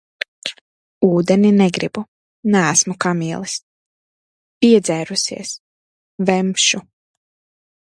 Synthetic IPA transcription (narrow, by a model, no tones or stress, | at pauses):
uːd̪ɛnʲinɛɡɾibu | nææsmukamʲiɛlˠis | pʲiɛd̪zæjɾusḭɛs | vɛmpʃu